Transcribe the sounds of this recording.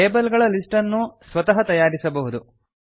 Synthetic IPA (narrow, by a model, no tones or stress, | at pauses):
eːbɐlɡɐɭɐlisʈɐnːusʋɐt̪ɐɦɐt̪ɐjaːɾisɐbɐɦud̪u